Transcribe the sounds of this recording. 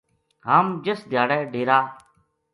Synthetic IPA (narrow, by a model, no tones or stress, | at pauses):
ɦaːmd͡ʒesd̪ʱjaːɽɛːɖʱeːɾaː